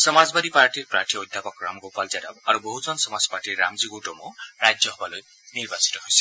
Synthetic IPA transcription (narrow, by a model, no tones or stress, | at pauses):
sɔmazbad̪ipaɾʈirpɾaɾʈʰiɔjd̪ʱjapɔkɾa̰mɡopalzadabaɾuboɦuzɔnsɔmad͡zɔpaɾʈiɾːamziɡoʈɔmɔɾajd͡ʒjɔɦɔbaloj | niɾbasi̥t̪ɔɦojse̥